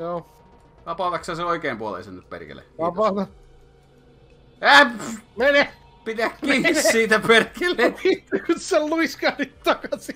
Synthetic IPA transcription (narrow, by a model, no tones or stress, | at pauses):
joː | t̪ɑpɑˑt̪ɑkseseoikeːmpuolḛisennyp̪pḛrkḛlḛt̪ɑpɑˑt̪ɑ | æmene | pit̪ækːiːssiːt̪æperkeleit̪ykytselluiskɑnit̪t̪ɑkɑsi